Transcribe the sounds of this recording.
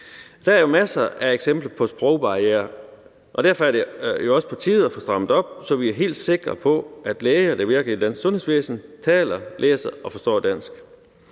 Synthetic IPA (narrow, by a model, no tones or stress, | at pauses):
d̥ææɐjo̝mæsɐʔæeɡ̥sem̰b̥ləpʰɒ̽sb̥ʁɔʊb̥ɑ̈ieːɐ | ʔɒ̽d̥æɐ̰fɒ̽æɐdejo̝ɒ̽sə̥pʰɑt͡sʰiːð̩ˠɒfɒsd̥ʁɑ̈m̰ð̩ˠɒ̽b̥̚sɒ̽ʋiæɐɦe̝̰ːld̥se̝ɡ̥ʁɐpʰɒ̽æd̥leːɐd̥eʋiɐɡ̥əlid̥æn̰ssɔ̽nhe̝sʋḛːsn̩t͡sʰɛ̰ːlɐlʔeːsɐʔɒ̽fɒ̽sd̥ɒ̰ːd̥æn̰sɡ̥